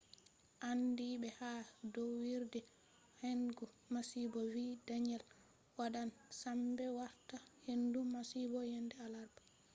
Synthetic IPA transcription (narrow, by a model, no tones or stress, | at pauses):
ʔandiɓɛhadɔwwiɾdɛ | henɡu | masibɔviːdaɲɛl | waɗansambɛwaɾtahendumasibɔjɛndɛalaɾbḁ